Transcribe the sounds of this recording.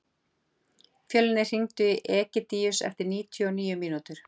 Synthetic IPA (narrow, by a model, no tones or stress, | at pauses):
fjœːlɪnɪr̥iŋt̪ʏʔɛːcɪt̪iːjʏsɛ̰ft̪ɪɾniːt̪ʰjɔɔniːjʏmiːnut̪ʏɾ̥